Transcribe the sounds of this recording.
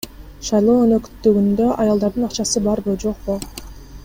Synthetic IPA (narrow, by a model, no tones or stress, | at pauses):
ʃɑjlˠo̞ːønø̞kt̪ːyɡynd̪ø̞ʔɑjɑlˠd̪ɑɾd̪ɯnɑqt͡ʃɑsɯbɑɾbud͡ʒo̞q̚bu